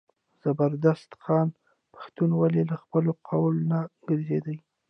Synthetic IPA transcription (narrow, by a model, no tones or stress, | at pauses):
z̥abəɾd̪ast̪xɑn | pḁxt̪unwalelaxpəloqʰawlonaɡəɾzed̪əj